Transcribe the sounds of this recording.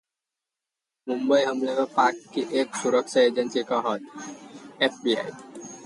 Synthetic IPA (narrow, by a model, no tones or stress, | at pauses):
mumbəjɦəmlekapakːiʔeksuɾəksaed͡ʑənsikaɦʌt̪̚ | efbia̰j